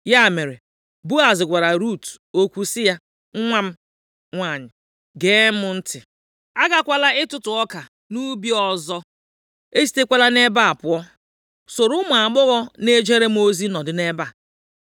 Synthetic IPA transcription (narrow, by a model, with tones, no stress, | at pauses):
ja˦˨me˨ɾe˨ | bu˦a˨zɪ˨ɡʷa˨ɾa˨ɾu˦˨t | o˦kʷu˦sɪ˦ja˦ | ŋ̩˦ŋʷa˦m̩˦ | ŋʷa˨ɲɪ˨ | ɡeː˦mʊ˦n̩˦tɪ˨ | a˦ɡa˦kʷa˦la˦ɪ˦tʊ˨tʊ˨ɔ˦ka˨ | nu˦bi˦ɔ˦zɔ˦ | e˦si̥˦te˦kʷa˦la˦ne˦ba˦a˨pʊ˨˦ɔ˦ | so˨ɾʊ˦mʊ˨a˨ɡ͡bʊ˦ɣɔ˦ne˦d͡ʒe˦ɾe˦m̩˦o˦zi˦nɔ˨dɪ˨ne˦ba˦˨